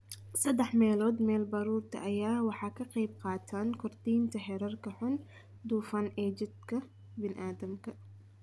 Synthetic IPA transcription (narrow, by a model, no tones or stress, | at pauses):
sɐd̪ɛħmɛːlɔːd̪mɛːlbɑɾuːrt̪ʰɐ̰ʔɐjaːwɑħɑːkʰɐqɑjb̚qɑːt̪ʰaːnkʰɔrt̪iːnt̪ʰɐɦɛɾɐrkʰɐħʊn | d̪uːfɐnɛːd͡ʒɪd̪kʰɐ | bɪnʔaːd̪ɐmkʰɐ